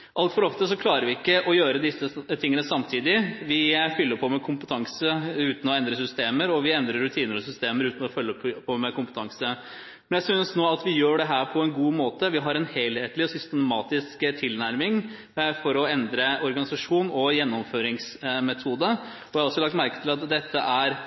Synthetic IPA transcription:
ʔɑlt̪fɔɾɔft̪əsɔkʰlɑːɾəɾʋɪɪkːəʔɔjøːɾəd̪ɪsːət̪ʰɪŋːənəsɑmt̪ʰiːd̪ɪʋɪfʏlːəpʰɔmɛkʰʊmpət̪ʰɑŋsəʉːt̪n̩ɔɛnd̪ɾəsʏst̪eːməɾɔʋɪɛnd̪ɾəɾːʉt̪ʰiːnəɾɔsʏst̪eːməɾʉːt̪n̩ɔfœlːəpʰɔmɛkʊmpət̪ʰɑŋsə | mɛnjæɪsʏnsnoːɑt̪ʋɪjøːɖɛɦæːɾpʰɔɛnɡuːmoːt̪əʋɪɦɑɾɛnhɛɪlheːt̪lɪɔsʏst̪əmɑːt̪ɪskt̪ʰɪlnæɾmɪŋ | fɔɾɔɛnd̪ɾəɔɾɡɑnɪsɑʂuːnɔjɛnːɔmføːɾɪŋsmɛt̪ʰuːd̪ə | ɔʋɪɑɾɔsːɔlɑkt̪mæɾkət̪ʰɪlɑt̪d̪ɛt̪ʰːəʔæɾ

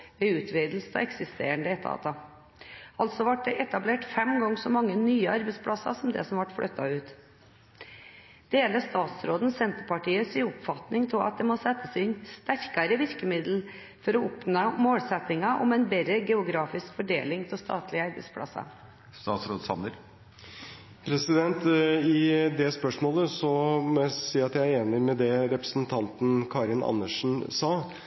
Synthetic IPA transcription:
ʋɛʉːt̪ʰʋiːd̪l̩st̪ʰɑ̰ɛksɪst̪ḛːəɳd̪əɛt̪ʰɑ̰ːt̪ɑ | ɑlt̪sɔʋɑʈ̚d̪ɛʔɛt̪ɑbleːʈfɛmɡɑŋːsɔmɑŋːənyːəɑɾbɛɪspʰɽɑsɑ̰sɔmd̪ɛ̰sɔmʋɑʈfɽʔœt̪ːɑʉːt̪ | d̪̥eːləst̪ɑːt̪sɾoːd̪n̩sɛnt̪əɾpɑʈiːəsiːʊpfɑt̪nɪŋt̪ʰɪlɑ̰t̪̚d̪ɛmɔsɛt̪ːəsɛɪɛnst̪æɾkɑɾəʋɪɾkəmɪd̪l̩ | fɔɾɔʊpnomoːlsɛt̪ɪŋɑʔɔ̰mɛnbɛɾəɡɛʊɡɾɑːfɪskfɔɖeːlɪŋt̪ʰɪlst̪ɑ̰ːt̪ʰlɪəɑɾbɛ̰t̪spʰlɑ̰sɑ̰ | st̪ɑːt̪sɾoːd̪sɑ̰məɾ | pʰɾɛsɪd̪ɛnt̪ɪd̪ɛspœʂmoːləsɔmɛsiːɾɑt̪jææɾeːnɪmɛd̪ɛɾɛpɾə̥snt̪ʰɑnt̪n̩kʰɑːɾɪnʔɑ̰nːəʂn̩sɑː

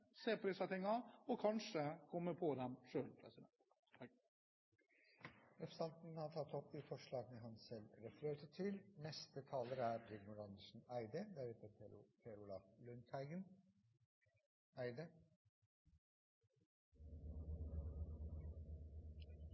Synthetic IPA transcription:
seːpʰɾɪsɑt̪ɪŋːɑɔkʰɑnʂəkʰɔmːəɾpʰɔd̪ɛmʂøːlpʰɾɛsɪd̪ɛnt̪ | ɛfst̪ɑnt̪n̩hɑʈʰɑt̪ːɔpd̪ifɔʂɭɑːɡənəɦɑnsɛlɾɛfəɾøːt̪əʈʰɪlnɛst̪ət̪ʰɑːləɾæɾd̪ɪɡ̪mʊɾɑnd̪əʂn̩æɪd̪əd̪æːɾheːt̪əɾpʰeɾʊlɑflʉnt̪hæɪɡən | æɪd̪ə

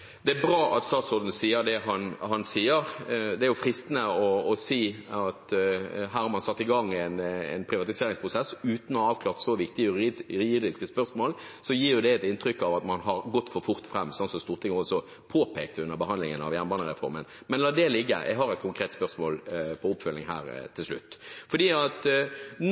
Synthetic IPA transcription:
d̪ɛæbɾɑːʔɑ̰t̪st̪ɑːt̪sɔɾd̪n̩siːəɾd̪ɛɦɑnhɑnsiːəɾd̪ɛæɾjʊfɾɪst̪nəɔːsiːɑt̪ɦæːɾhɑɾmɑnsɑt̪ːɪɡɑŋːɛɪnɛ̰ɪnpʰɾɪʋɑt̪ɪseːɾɪŋspʰʁʊsɛsːʉːt̪n̩ɔɑːʋklɑːʁt̪sɔʋɪkt̪ɪəjɾd̪ɪskəspœʁsmoːl | sɔjiːɾjʊd̪ɛɛt̪ɪnt̪ɾʏkːɑʋɑt̪mɑnɦɑɾɡɔt̪ːfɔɾfʊɾt̪fɾɛmːsɑnt̪sɔmst̪uːʁt̪ʰɪŋɔsɔ | pʰoːpʰeːkt̪ʉnːəbəɦɑnd̪lɪŋənɑ̰ʋjænbɑːnəɾɛfɔ̰ɾmə̰n | mɛnlɑːd̪ɛlɪɡːə̰jʔɛ̰ɡɦɑɾɛt̪̚kʰʊŋkʰɾeːt̪spœʁsmoːlpʰɔʊpːfœlnɪŋɦæ̰ːɾt̪ʰɪlʂlʉ̰t̪ːfɔɾd̪iːɑt̪

